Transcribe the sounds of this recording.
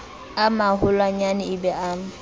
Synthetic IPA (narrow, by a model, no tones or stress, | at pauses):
amaɦʊlwaɲanɪɪbɛʔam̩